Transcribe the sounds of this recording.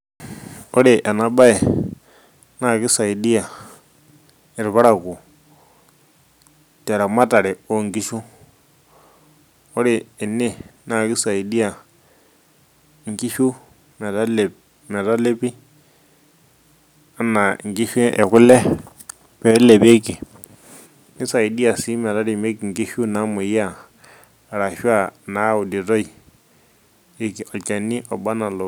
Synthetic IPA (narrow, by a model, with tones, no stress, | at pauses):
o˦ɾi˨ʔa˨na˨ɓa˦ɛ˨ | na˦˨ki˦sa˨i˨di˦a˨ | ɪ˨ɾβa˦ɾa˨ku˨ | tɛ˨ɾa˨ma˦ta˨ɾɛ˨o˦˨ŋɡi˦ʃu˦ | o˦ɾiː˨ni˦na˦˨ki˦sa˨i˨di˦ja˨ | ŋ˨ki˦ʃu˦ | mɛ˨ɾa˦le˨ | mɛ˨ɾa˦le˦bi˦ | a˦na˨ŋ˨ɡi˦ʃe˦ʔe˨ku˦lɛ˦ | pɛ˨˦le˨be˦ki˨ | ni˦sa˨i˨di˦a˨si˦mɛ˨ɾa˦ɾi˨me˦ki˨ŋ˨ɡi˦ʃu˦na˦mo˨ja˦˨ | ɾa˨ʃu˦a˨na˨˦u˨di˨ɾo˦i˨ | i˨ki˨ɔ˨t͡ʃa˨ni˦ʔɔ˨ɓa˦na˨lo˨